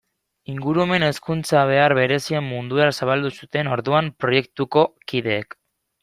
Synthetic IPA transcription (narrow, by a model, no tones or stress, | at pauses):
iŋɡuɾuome̞ne̞skunt͡saβ̞e̞aɾβe̞ɾe̞sie̞mːund̪uasaβ̞ald̪usut̪e̞no̞ɾðuampɾo̞je̞kt̪uko̞kið̞e̞ːk